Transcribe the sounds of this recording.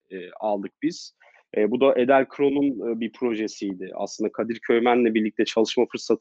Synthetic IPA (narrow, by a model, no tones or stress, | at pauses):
ɛːalˠd̪ɯk̚biz̥ | ɛːbud̪aʔe̞d̪ælʲkʰɾo̞nunɯːbipʰɾo̞ʒesijd̪ɪʔa̰sɯnd̪akʰad̪iɾcʰø̞jmænlʲɛbiɾlʲic̚t̪ʰɛt͡ʃʰalˠɯʃmafɯɾsat̪ʰ